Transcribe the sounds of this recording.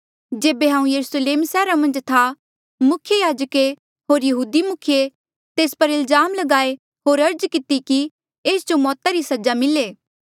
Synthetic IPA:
d͡ʒeːbeɦãːũjɐɾusleːmsɛːɾamɐ̃nd͡ʒt̪ʰa | mʊkʰjejaːd͡ʒəke | ɦoːɾjɐɦuːd̪imʊkʰje | t̪eːspɐɾɪlzaːmlɐɡaːe | ɦoːɾɐɾd͡ʒkɪt̪iki | eːsd͡ʒomɔːt̪aɾisɐd͡ʒamɪleː

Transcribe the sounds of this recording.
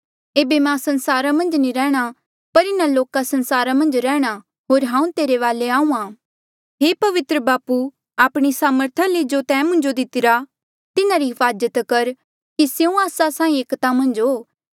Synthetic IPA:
eːbemãsɐnsaːɾamɐ̃nd͡ʒniɾɛ̃ːɽ̃a | pɐɾɪnaloːkasɐ̃nsaːɾamɐ̃nd͡ʒɾɛːɽ̃a | ɦoːɾɦãːũt̪eːɾeʋaːleãːũãː | ɦeːpɐʋɪt̪ɾəbaːpu | aːpɽ̃isaːməɾt̪ʰaled͡ʒot̪ɛ̃ːmʊ̃nd͡ʒod̪ɪt̪ɪɾa | t̪ɪnaɾiɦɪfaːd͡ʒət̪kɐɾ | kisjeũaːsasãːĩeːkt̪amɐ̃nd͡ʒɦoː

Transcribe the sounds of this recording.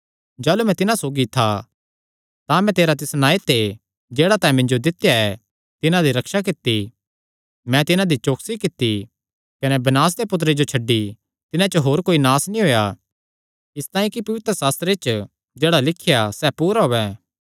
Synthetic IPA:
d͡ʒaːlumɛ̃t̪ɪnãsoːɡit̪ʰa | t̪ãmɛ̃t̪eːɾat̪ɪsnaːit̪e | d͡ʒeːɽat̪ãːĩmɪ̃ɲd͡ʒod̪ɪt̪ːjaɛ | t̪ɪnãd̪iɾɐkʃak̬ɪt̪ːi | mɛ̃t̪ɪnãd̪it͡ʃoːksikɪt̪ːi | kɐnebɐnaːs̬d̪epʊt̪̬ɾed͡ʒot͡ʃʰɐɖːi | t̪ɪnãt͡ʃəɦoːɾkoːinaːsnĩɦoːja | ɪst̪aːĩkipɐʋɪt̪ɾəsaːst̪ɾet͡ʃ | d͡ʒeːɽalɪkʰːjasɛpuːɾaɦoːɛ

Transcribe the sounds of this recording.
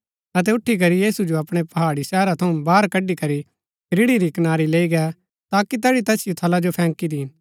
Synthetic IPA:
ɐt̪̬ɛʊʈʰːik̬ɐɾijiːsud͡ʒoɐpɽ̃epɐɦaːɽisɛːɾat̪ʰɐũbaːɾkɐɖikɐɾi | ɾɪɽiɾikɐnaːɾileːiɡɛ | t̪aːkit̪ɛːɽit̪ɛːsɪjot̪ʰɐlad͡ʒopʰɛ̃ːŋkid̪i

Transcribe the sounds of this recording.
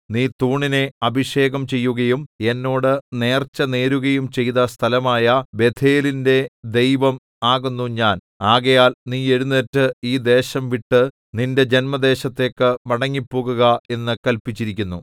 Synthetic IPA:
niːt̪uːɳine̞ɐbʱiʂe̞ːɣɐmt͡ɕe̞jːuɣɐjume̞nːo̞ːɽɨne̞ːrt͡ɕːɐne̞ːɾuɣɐjumt͡ɕe̞jðɐst̪ʰɐlɐmaːjɐbe̞t̪ʰeːlinde̞d̪e̞jʋɐm | aːɣunːuɲaːn | aːɣɐjaːlniːe̞ɻunːetːɨiːd̪e̞ːɕɐmʋiʈːɨ | ninde̞d͡ʑe̞nmɐd̪e̞ːɕɐt̪ːe̞ːkːɨmɐɽɐŋːipːoːɣuɣɐe̞nːɨkɐlpit͡ɕːiɾik̬ʲːunːu

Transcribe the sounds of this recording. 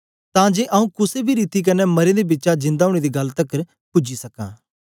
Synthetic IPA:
t̪ãːd͡ʒeːʔɐũkʊsebʱiɾit̪ik̬ɐnɛmɐɾẽd̪ebɪtːt͡ʃad͡ʒɪ̃nd̪aːʊ̃ːɽ̃ed̪iɡɐlt̪ɐkəɾ | pʊd͡ʒisɐkã̰ː

